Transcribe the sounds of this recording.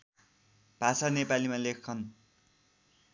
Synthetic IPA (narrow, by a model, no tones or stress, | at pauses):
b̥ʱasanepalimalekʰːʌn